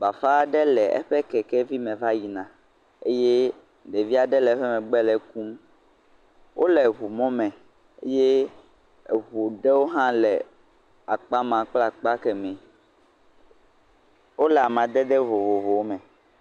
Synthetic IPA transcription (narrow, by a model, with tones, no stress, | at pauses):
ba˨fa˦˨ɖɛ˦lɛ˨ʔɛ̰˦ɸɛ˦kɛ˨kɛ˦vi˦mɛ̃˨va˦ji˨nã˨ | ḛ˦je˦ | ɖe˨vi˦a˨ɖɛ˦lɛ˨˦ɸɛ˦mɛ̃˨ɡ͡bɛ˦lɛ˨ku˦m | wʔo˦lɛ˨ɦu˨mɔ̃˦mɛ̃˨ | ḛ˦je˦˨ | βu˨ɖɛ˦wo˦ɦã˦lɛ˨ | a˨k͡pa˦mã˨k͡pla˦k͡pa˦kɛ˨mɛ̃˨ | wo˦lɛ˨a˨mã˨d̪ɛ˦d̪ɛ˦vo˨vo˨vo˨wo˦mɛ̃˨